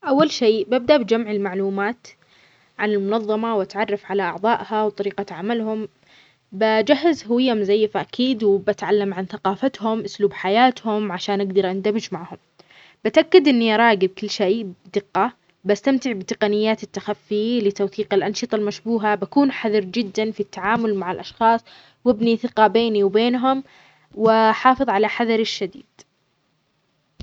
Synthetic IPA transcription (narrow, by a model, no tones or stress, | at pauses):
ʔawːalʃeːbab̚d̪aʔbɪd͡ʒamʕɪlmaʕluːmaːt̪ | ʕanɪlmʊnɑðˤːɑmawʔat̪ʕɑrˤːɑfʕalaʔɑʕðˤɑːʔhawt̪ˤɑɾiːqaʕamalhʊm | bad͡ʒahːazhʊwɪjːamzajːfaʔakʰiːd̪wbat̪ʕalːamʕanθaqɑːfat̪hʊmʔʊsluːbħajaːt̪hʊmʕaʃaːnʔaɡd̪ɑɾˤʔand̪amɪd͡ʒmaʕhʊm | bɪat̪ʔakːad̪ʔɪnːiʔɑɾˤɑːɡɪb̚kɪlːʃeːʔd̪ɪqːɑ | bast̪amt̪ɪʕbɪt̪ɪqɑnɪjːaːt̪ɪt̪ːaxafːɪlɪt̪awθiːqɪlʔɑnʃɨt̪ˤɑlmaʃbuːɦabakuːnħaðɑɾd͡ʒɪd̪ːanfit̪ːaʕaːmʊlmaʕɪlʔɑʃxɑːsˤ | wɪbniθɪqɑbeːniwbeːnɦʊm | wɪħɑːfɨðˤʕalaħaðɑɾˤɪʃːad̪iːd̪̥